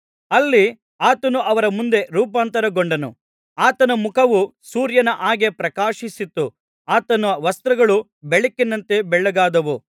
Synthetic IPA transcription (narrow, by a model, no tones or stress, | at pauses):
ɐlːi | aːt̪ɐnuʔɐʋɐɾɐmund̪e̞ɾuːp̬aːnt̪ɐɾɐɡoɳɖɐnṵ | aːt̪ɐnɐmukʰɐʋusuːɾjɐnɐʔaːɡe̞pɾɐkaːʃisit̪ːu | aːt̪ɐnɐʋɐst̪ɾɐɡɐɭu | beɭekːinːɐnt̪e̞bɛɭːɛɡaːd̪ɐʋu